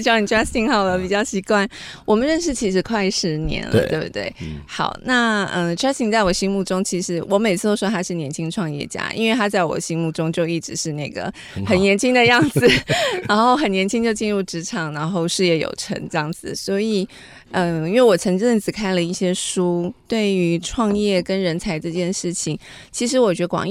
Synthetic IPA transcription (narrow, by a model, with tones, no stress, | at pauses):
t͡ɕni˨˩ɛ˥˩i˥ŋxɑ˥˩ʊdə˩pi˨˩t͡ɕjɑ˥˩ʊɕi˧˥kwa˥˩nwɔ˨˩mə˨˦nɻə˥˧nʂ̬ɻ̩˥˩t͡ɕʰi˧˥ʂɻ̩˧˥kʰwa˥˧ɪʂɻ̩˧˥njɛ̰˧˥˦nlə̰˧t̪we˥˧˩bt̪wḛ˥˩ɪxɑ˨˩˦ʊna˥˩ə˥˧ʈ͡ʂʰɛ˥si˧˥˧ŋt͡sa˥˩ɪwɔ˨˩ɕi˥ŋmu˥˩ʈ͡ʂʊ˥ŋt͡ɕʰi˧˥ʂɻ̩˧˥wʔɔ˧˥me˨˩ɪt͡sʰɹ̩˥˩t̪o˥ʊʂɔ˥t̪ʰa˥ʂɻ̩˥˩njɛ˧˥nt͡ɕʰi˧˥ŋʈ͡ʂʰwɑ˥˧ŋjɛ̰˥˩t͡ɕja̰˥ʔḭ˥nwe˥˩ɪt̪ʰa˥t͡sa˥˩ɪwɔ̰˨˩ɕi˥ŋmu˥˩ʈ͡ʂʊ˥ŋt͡ɕjo˥˧ʊi˥˩ʈ͡ʂɻ̩˧˥ʂɻ̩˥˧na˥˩ɡə̰˩ | xə˨˩njɛ˧˥nt͡ɕʰi˥ŋd̪ə˨jɑ˥˩ŋd͡zɹ̩˨˩na˧˥nxo˥˩ʊxə˨˩njɛ˧˥nt͡ɕʰi˥ŋt͡ɕjo˥˧ʊt͡ɕi˥˧nɻu˥˩ʈ͡ʂɻ̩˧˥ʈ͡ʂʰɑ˨˩ŋɻa˧˥nxo˥˧ʊʂɻ̩˥˧jɛ˥˩jo̰˨˩ʊʈ͡ʂʰə̰˧˥ŋʈ͡ʂɤ˥˧jɑ˥˩ŋd͡zɹ̩˨˩swɔ˧˥i˨˩ | ə˥˧i˥nwe˥˩wɔ˨˩t͡sʰə˧˥ŋʈ͡ʂə˥˧˩nt͡sɹ̩˨˩kʰa˥ɪlə˨˧i˥˩ɕjɛ˥ʂu˥t̪we˥˩ɪy˧˥ʈ͡ʂʰwɑ˥˧ŋjɛ˥˩kə˥nɻə˧˥nt͡sʰa˧˥ɪʈ͡ʂɤ˥˧t͡ɕjɛ˥˧nʂɻ̩˥˩t͡ɕʰi˨˩ŋ | t͡ɕʰi˧˥ʂ̬ɻ̩˧˥wɔ˨˩t͡ɕɥɛ˧˥ə˧kwɑ̰˨˩ŋ